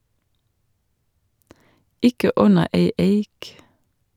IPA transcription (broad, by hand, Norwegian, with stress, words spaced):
ˈɪkə ˈʉnə ˈeɪ ˈeɪk